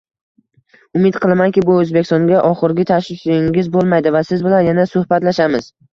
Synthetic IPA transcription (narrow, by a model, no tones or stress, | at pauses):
ʊmɪt̪qʰɨlˠmankʲɪbʊɵzbekʲɪst̪ɒŋɡʲaʔɒχɨɾɡʲɪt̪ʰaʃlɪʃɪŋʲɪzbolˠmajd̪ɪvasɪzbɪlanjanasʊhbat̪laʃamɪz̥